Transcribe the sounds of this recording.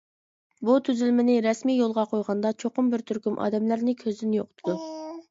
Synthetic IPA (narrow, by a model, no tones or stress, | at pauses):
but̪ʰyzylmɪnɪɾɛsmijjolˠʁɑqʰojʁɑnd̪ɑt͡ʃʰoqʊmbɪɾt̪ʰyɾkʲymʔɑ̰ːd̪ɛmlæɾnɪkʲʰøzd̪ɪnjoqt̪ʰʊd̪u